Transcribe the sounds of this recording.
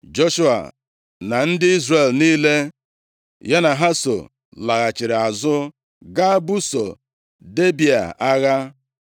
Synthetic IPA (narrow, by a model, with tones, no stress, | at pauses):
d͡ʒo˦ʃu˦a̰˨ | na˨n̩˦dɪ˦i˦zre˨lniː˦le˦ | ja˦na˨ɦa˦so̰˨ | la˨ɣa˨t͡ʃɪ˨ɾɪ˨a˨zʊ˦ | ɡa˦bu˦so̰˨ | de˦bi˨a̰˨ʔa˦ɣa˦